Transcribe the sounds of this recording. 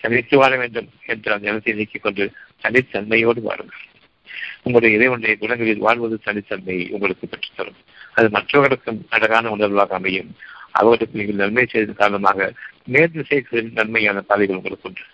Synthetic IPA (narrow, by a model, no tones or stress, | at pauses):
t̪ɐɳɪt̪ːɯʋaːɭɐʋeːɳɖɯmɛndrɐɐnd̪ɐɛnɐt̪ːɐɪɪnɪkːɯkːɔɳɖɯt̪ɐɳɖɪt̪ːɐnmɐjoːɽɯʋa̰ːɾɯŋɡɐɭ | ʊŋɡɐɭɯɽɐjɐɪðɐɪʋɐnɖɐjɐɡʊɽɐŋɡɐɭɪlʋa̰ːɻʋɐðɯt̪ɐɳɪt̪ːɐnmɐjʔʊ̰ŋɡɐɭɯkːɯpɛʈrɯ̥t̪ːɐɾɯm | ɐðɯmɐʈrɐːɣɐɽɐkːɯmɐɽɐɣaːnɐʊnɐɾʋaːɣɐːmɐjɯmɐ̰ʋɐɣɐɽɯkːɯnɪɡɐɭnɐnmɐɪsɛjððɐkaːɾɐnɐmaːɣɐmeːɾd̪ɯsɛːɾkɐðɪlnɐnmɐjaːnɐpaːðɪɣɐɭʊŋɡɐɭɯkːɯɳɖɯ